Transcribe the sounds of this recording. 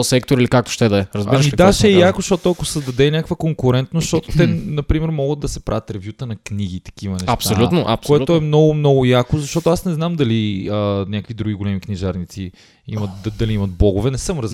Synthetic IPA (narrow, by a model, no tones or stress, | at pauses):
sɛkt̪oɾilikak̚t̪o̥ʃt̪ɛd̪ɐɛɾɐzbɐɾʃmid̪aʃɛjakosʃt̪ɔt̪oɐkosɐzd̪ɐd̪ɛnʲakəkvəkoŋkʊɾɛnt̪nosʃt̪ɔt̪ot̪ɛnɐpɾimɛɾmɔɡəd̪d̪ɐsɛpɾʔavʲət̪ɾɛvjut̪ənɐkniɡ̟it̪ɐ̥k̟ivɐnɛɐpsaolʲunoʔɐ̰pskoɛt̪oɛmnɔɡʊmnɔɡʊjakozɐʃt̪ɔt̪oasnɛznamd̪ɐliənʲakəkvid̪ɾuɡʲiɡolɛmikniʒaɾnit̪si | imɐt̪̚d̪ɐliimɐt̪̚blˠɔɡʊvɛnɛsɤmɾɐz